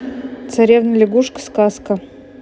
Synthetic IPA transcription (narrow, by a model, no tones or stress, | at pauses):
t̪sɐɾʲevnəjlʲɪɡuʂkə̥skaskə